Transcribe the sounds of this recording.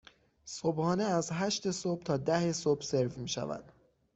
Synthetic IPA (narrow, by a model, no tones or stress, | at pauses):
sobhɒːneæzɦæʃt̪e̞sob̥̚t̪ʰɒːd̪æhesobse̞ɾvmiːʃæ̰væ̰d̪̥